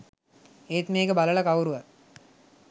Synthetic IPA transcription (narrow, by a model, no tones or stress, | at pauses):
eːt̪meːkəbaləlɐkawuɾuʋa